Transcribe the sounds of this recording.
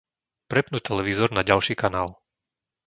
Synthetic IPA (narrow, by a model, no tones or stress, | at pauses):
pɾɛpnut̪ɛlɛʋizɔɾnaɟalʃiːkanaːl